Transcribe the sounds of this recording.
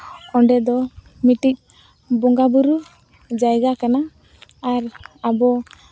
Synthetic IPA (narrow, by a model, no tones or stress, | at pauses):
kɔɳɖɛd̪ɔ | miʈic̚ | bɔŋɡabuɾu | d͡ʒajɡakanaː | ɾabɔ